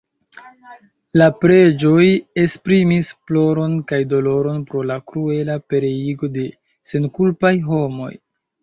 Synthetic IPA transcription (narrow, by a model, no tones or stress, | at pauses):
lapɾe̞d͡ʒo̞je̞spɾimisplo̞ɾo̞nkajdo̞lo̞ɾo̞npɾo̞lakɾue̞lape̞ɾe̞iɡo̞de̞ | se̞nkulpajɦo̞mo̞̰j